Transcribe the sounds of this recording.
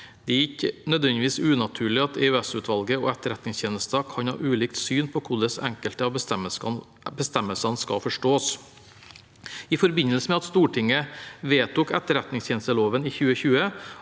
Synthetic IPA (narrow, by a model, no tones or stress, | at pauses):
d̪̥ɛɪkːənœd̪ʋɛnd̪ɪʋiːsʉːnɑt̪ʰʉːɭɪɑt̪ʰeʉːɛsʉːt̪ʰʋɑlɡəɔ̰ːɛt̪ːəɾɛt̪nɪŋst̪ʰeːnəst̪ɑkʰɑnhɑ̰ːʔʉːliːkt̪syːnpʰɔkʰʊɖ̪ɛsɛ̰ŋkəlt̪əɑb | bəst̪ɛmːəlsɑnskɑ̰fɔʂʈoːs | ɪfɔɾbɪnəlsəmɛɑt̪st̪uːʈʰɪŋːəʋeːt̪ʊkɛt̪ːəɾɛt̪nɪŋst̪ʰeːnəst̪əloːʋəniːçʉːəçʉːə